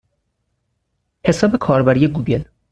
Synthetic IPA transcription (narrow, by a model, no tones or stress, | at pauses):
he̞sɒːbe̞kʰɒːɾbæɾije̞ɡuːɟe̞l